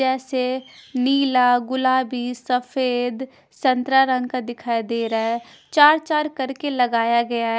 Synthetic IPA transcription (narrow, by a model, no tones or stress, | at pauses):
ɛːseniːlaːɡʊlaːbisəfʰeːd̪ | sə̃nt̪ɾaɾə̃ŋɡkad̪ɪkʰaːid̪eːɾaɛ | t͡ʃaːɾt͡ʃaːɾkəɾkeləɡaːjaɡɐjaɦ